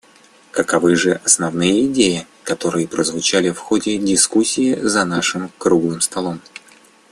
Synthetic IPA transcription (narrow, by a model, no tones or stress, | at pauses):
kəkɐvɨʐɨʔɐsnɐvnɨjəɪdʲejɪ | kɐt̪o̞ɾɨjəpɾəzvʊt͡ɕalʲɪfxodʲɪdʲɪskusʲːiɪzɐnaʂɨmkɾuɡlˠɨmst̪ɐlˠo̞m